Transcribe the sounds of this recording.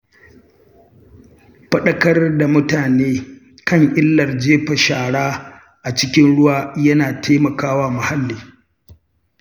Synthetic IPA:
ɸɐ˦ɗɐ˦kɐ˦rda˨mʊ˦taː˨neː˦ | kɐ˦˨ŋʔɪ˦lːɐ˨rd͡ʒeː˦ɸɐ˨ʃaː˨ɽaː˦ | ʔa˨t͡ʃɪ˦kʲɪ˦nɽʊ˦waː˦jɐ˦naː˨tʰeː˦mɐ˨kaː˦waː˦mʊ˨ha˦lːiː˨

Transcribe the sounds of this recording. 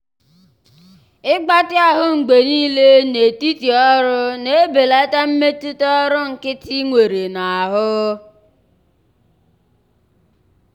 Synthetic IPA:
ɪ˦ɡ͡ba˦tɪ˦a˦ɦʊ˦ŋ͡m̩˨ɡ͡be˨niː˦le˦ne˨ti˦ti˨ɔ˦ɾʊ˦ne˦˨˦be˨la˦ta˦m̩˦me˦tʊ˦tɔ˦ɾʊ˦ŋ̩˨kɪ˦tʰi˦ŋʷe˨ɾe˨na˨a˨ɦʊ˦

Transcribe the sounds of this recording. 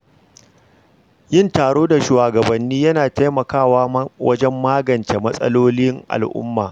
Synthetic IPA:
jɪ˦ntaː˨ɽoː˦da˨ʃuː˨waː˨ɡɐ˨bɐ˨nːiː˦jɐ˦naː˨ta˦jmɐ˨kaː˦˨waː˦wɐ˦d͡ʒɛ˦mːaː˦ɡɐ˨nt͡ʃe˨mɐ˦sʼɐ̰˦loː˦lɪ˦ŋʔa̰˨lʔʊ̰˦mːaː˨

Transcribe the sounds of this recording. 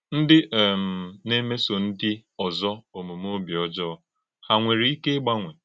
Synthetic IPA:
n̩˦dɪ˦ʔe˨m̩˨ne˦me˦so˨n̩˦dɪ˦ɔ˨zɔ˦o˨mu˨m˦o˦bi˨ɔ˦d͡ʒɔ˦˨ | ha˨ŋʷe˨ɾi˨˦i˦ke˦ɡ͡ba˦ŋʷe˨

